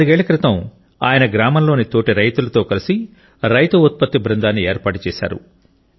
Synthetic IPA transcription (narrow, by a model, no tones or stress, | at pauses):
uɡeːɭɐkɾɪt̪ɐm | aːjɐnɐɡɾaːmɐmlo̞ːnit̪o̞ːʈiɾɐjt̪ulɐt̪o̞ːkɐlisi | ɾɐjt̪uut̪̚pɐt̪ːibɾɐnd̪aːnːieːɾpaːʈut͡ʃɛːsa̰ːɾṵ